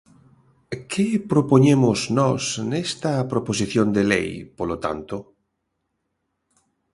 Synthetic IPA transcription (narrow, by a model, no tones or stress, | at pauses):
kʰepɾopoɲemoznɔsnest̪ɐpɾopos̬iθjond̪elḛjpolot̪a̰nt̪o